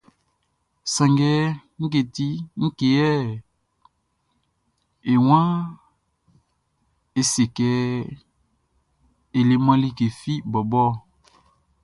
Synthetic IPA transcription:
sã˨ŋɡɛ˦ŋ̩˦ke˨ti˦ŋ̩˦ke˨jɛ˦ | e˨wã˦ | e˨se˨kɛ˨˦ | e˨le˨mã˦li˦ke˨fi˦bɔ˨bɔ˦

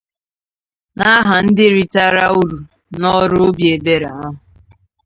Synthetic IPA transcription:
na˦ɦa˨n̩˦dɪ˦ɾi˦ta˦ɾa˦u˦ɾu˨ | nɔ˦ɾʊ˦o˦bi˨˦e˨be˦ɾa˨a˦ɦʊ˨

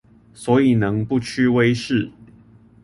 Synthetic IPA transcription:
swɔ˨˧˥i˨˩nɤ˧˦ŋpu˥˨t͡ɕʰy˥˧we˦ɪʂɻ̩˥˩

